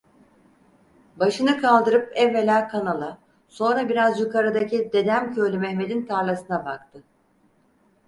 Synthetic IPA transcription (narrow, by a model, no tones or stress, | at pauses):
baʃɯnɯkʰalˠd̪ɯɾɯpɛvːelʲaːkʰanalˠa | so̞nɾabiɾazjukaɾad̪acid̪e̞d̪æmcʰølʲymɛçme̞d̪int̪ʰaɾlˠasɯnabakt̪ʰɯ